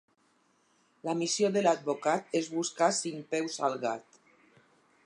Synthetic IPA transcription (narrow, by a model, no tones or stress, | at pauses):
lamisjoðelad̪̚bokat̪ezβuskasiŋpɛwsalˠɣat̪